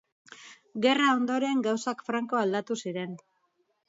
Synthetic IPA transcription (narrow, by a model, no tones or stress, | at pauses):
ɡe̞rao̞nd̪o̞ɾe̞ŋɡawsakfɾaŋko̞ald̪at̪usiɾe̞n